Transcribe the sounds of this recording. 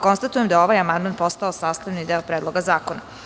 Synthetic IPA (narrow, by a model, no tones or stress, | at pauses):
ko̞nst̪at̪ujemd̪ao̞ʋajamand̪maːnpo̞st̪aosaːst̪aʋnid̪eopɾeːd̪lˠo̞ɡazaːkona